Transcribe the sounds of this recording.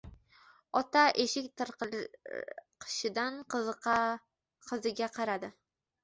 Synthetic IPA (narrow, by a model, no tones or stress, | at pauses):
ɒt̪aʔeʃɪkʲt̪ɨɾq | qʰɨ̥ʃɪd̪anq | qʰɨzɪɡʲaqʰɑɾad̪ɪ